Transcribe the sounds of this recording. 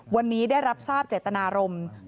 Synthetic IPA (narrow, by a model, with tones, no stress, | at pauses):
wa˧nːiː˦˥daː˥˩jɾa˦˥p̚saː˥˩p̚t͡ɕeː˨˩t̪ːa˧naː˧ɾo˧m